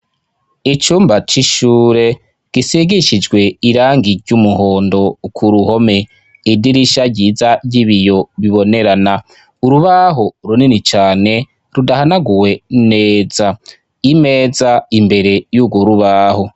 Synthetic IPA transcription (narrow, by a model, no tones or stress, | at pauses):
it͡ʃuːmbat͡ʃiʃuːɾe̞ | ɡ̥isiɡiʃid͡ʒɡwe̞iɾaːŋɡiɾɟumuho̞ːndo̞kʰuɾuho̞me̞ | idiɾiʃaɟiːzaɟiβijo̞βiβo̞ne̞ɾana | uɾuβaɦo̞ɾuninit͡ʃaːne̞ | ɾudahanaɡuwe̞neːz̥a | ime̞ːzaimbe̞ɾe̞juːɡwoɾuβaːho̞